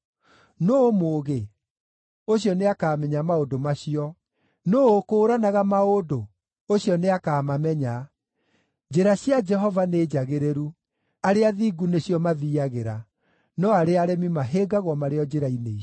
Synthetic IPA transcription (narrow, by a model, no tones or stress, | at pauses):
noːmoːɣe | oɕ̬jɔneakaːmɛɲamaodomaɕiɔ | noːokoːɾanaɣamaodo | oɕjɔneakaːmamɛɲa | d͡ʑeɾaɕjad͡ʒɛɦɔvaneːd͡ʒaɣeɾeɾu | aɾeaðiɡuneɕjɔmaðiːaɣeɾa | nɔaɾeaɾɛmimaɦeːɡaɣwɔmaɾeɔd͡ʒeɾainei